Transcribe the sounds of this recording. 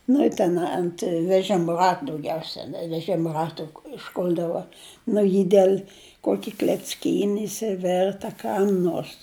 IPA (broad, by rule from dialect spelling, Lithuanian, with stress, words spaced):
nʊ ɪ ˈtʲɛn ɐnt ʋʲɛˈʒʲɪm ˈrɐt dɐʊˈɡʲɛʊsʲɛ ʋʲɛˈʒʲɪm ˈrɑːtʊ ɪʃˈkʊlʲdɐʋɐ ˈnʊ jɪ ˈdʲɛlʲ ˈkuɔkʲɪ klʲɛt͡sʲˈkʲiːnʲɪ ɪʃʲsʲɪˈʋʲɛrt ɐ ˈkɐm noːrs